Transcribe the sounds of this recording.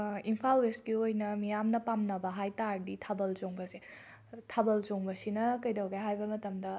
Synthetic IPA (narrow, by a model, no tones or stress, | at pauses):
impʰalwesɡiojnɐmijamnɐpamnɐbɐɦajtaɾditʰɐbɐlzoŋbɐse | tʰɐbɐlzoŋbɐsinɐkɐjdɐwɡɐjɦajbɐmɐtɐmdɐ